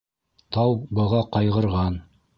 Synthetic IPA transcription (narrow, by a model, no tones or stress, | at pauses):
t̪ɑwbɤ̆ʁɑqɑjʁɤ̆ɾʁɑn